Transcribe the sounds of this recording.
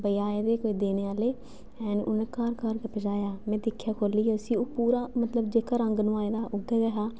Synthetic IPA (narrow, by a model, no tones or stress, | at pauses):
bəjaːed̪eːkoːiːd̪eːneːaːleː | ɛːnʊ̰nẽːkaːɾkaɾkəpəd͡ʒaːjaːmɛ̃ːd̪ɪkʰːjaːkʰoːliːɛʊsĩːoːpuːɾaːmət̪ləbd͡ʒeːkaːɾəŋɡnũːaːeːd̪aːʔʊd̪ɛɡəɦaː